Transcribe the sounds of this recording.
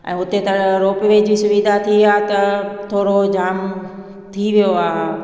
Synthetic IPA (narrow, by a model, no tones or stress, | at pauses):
ɛ̰̃ːʊt̪et̪ɐɽɾoːpɪʋed͡ʑisʊʋid̪ʱat̪ʰiaːɦt̪ɐt̪ʰoːɽod͡ʑaːm | t̪ʰiʋijoaːɦ